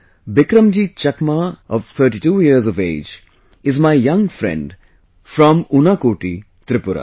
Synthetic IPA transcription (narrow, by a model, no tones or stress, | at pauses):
bɪkɾəmd͡ʒit͡ʃɐkmaɔʋt̪ʰəɾʈiʈuːjiəɾzɔʋḛːd͡ʒ | ɪzmaɪjɐ̃ŋfɾɛ̰̃ɳɖ | fɾɔ̃mʊnakoːʈḭ | t̪ɾɪpʊɾa̰